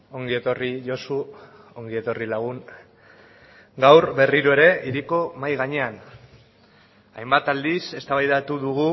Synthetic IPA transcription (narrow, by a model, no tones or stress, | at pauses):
o̞ŋɡie̞t̪o̞riʝo̞su | o̞ŋɡie̞t̪o̞rilaɣ̞uŋ | ɡawɾbe̞riɾoe̞ɾe̞iɾiko̞majɣaɲe̞an | a̰jmbat̪ald̪ise̞st̪aβajðat̪uðuɣ̞u